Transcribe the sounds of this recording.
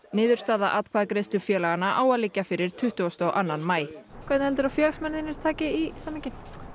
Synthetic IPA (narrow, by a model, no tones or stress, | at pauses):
nɪːðʏɾ̥st̪aːðaʔat̪kʰvaːðkɾest̪ʏfjɛːlaɣanːaʔaːwaðlɪcːafɪɾɪɾ̥t̪ʰʏht̪ʏɔst̪ɔwʔanːanmaːjkʰvɛt̪nhɛlt̪ʏɾafjɛlsmɛnðɪnɪɾ̥t̪ʰaːcɪisamːɛcɪn̥